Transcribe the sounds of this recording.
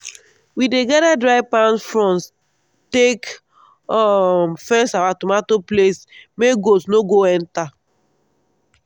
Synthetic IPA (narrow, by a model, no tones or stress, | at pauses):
wideɡaɾadɾaɪpanfɾɔ̃ns | tek | fɛnsawatumatoplesmeɡosnoɡoɛn̩ta